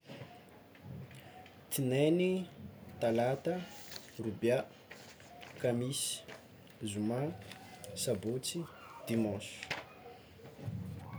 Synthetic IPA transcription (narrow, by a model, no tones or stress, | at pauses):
t̪inenit̪alat̪ə | rubja | kamisi̥ | zumã | sabot͡sid̪̥imɔ̃su̥